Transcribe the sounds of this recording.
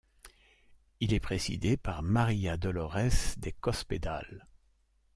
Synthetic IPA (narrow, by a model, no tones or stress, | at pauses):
ilɛpχezḭd̪epaʁmaʁijad̪ɔlɔʁɛsd̪ekɔsped̪a̰l